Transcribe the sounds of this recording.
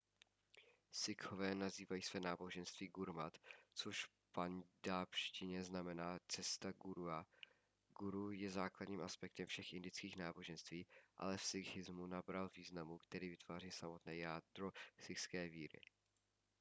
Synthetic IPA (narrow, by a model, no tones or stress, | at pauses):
sɪkʰovɛːnaziːvajiːsv̥ɛːnaːbo̞ʒɛnst̪viːɡuɾmat̪t͡soʃf | pandapʃcɪɲɛznamɛnaːt͡sɛst̪aɡuɾua | ɡ̥uɾujɛzaːkladɲiːmʔaspɛk̚t̪ɛmfʃɛxʔɪndɪt͡skiːxnaːbo̞ʒɛnst̪viːʔa̰lɛfsɪxɪzmunabɾalviːznamukt̪ɛɾiːvɪt̪v̥aːriːsamot̪nɛːjaːd̪ɾosɪxskɛːviːɾɪ̰